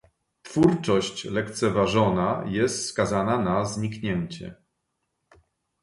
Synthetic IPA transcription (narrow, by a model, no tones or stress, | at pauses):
tfuɾt͡ʂɔɕt͡ɕlɛk̚t̪sɛvaʐɔnajɛst̪skazananazɲikɲɛɲt͡ɕɛ̰